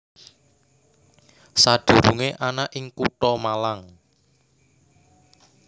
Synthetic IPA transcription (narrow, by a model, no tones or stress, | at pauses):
sad̥ṳɾuŋeʔanaʔɪŋkuʈɔmalaŋ